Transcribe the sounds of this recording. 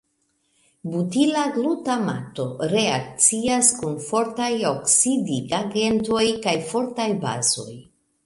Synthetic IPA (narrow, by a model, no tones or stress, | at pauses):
butilaɡɾutama̰to̞ɾe̞ak̚t͡siaskunfo̞ɾtajoksidiɡaɡe̞nto̞jkajfo̞ɾtajba̰zo̞̰j